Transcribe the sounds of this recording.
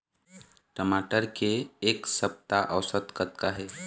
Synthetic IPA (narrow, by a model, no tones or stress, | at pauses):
ʈəmaːʈəɾkeːksəp̚t̪aʔəʋsət̪kət̪̚kaɦɛː